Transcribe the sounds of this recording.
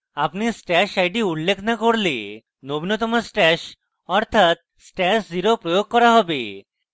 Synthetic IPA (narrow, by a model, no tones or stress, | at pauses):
apnisʈɛʃajʈiuɽlekʰnakoɾli | nobinot̪̬ɔmasʈɛʃ | ɔɾt̪ʰat̪̚ | sʈɛsd͡ziɾopɾojoɡ̚kɔɾaɦɔbḛ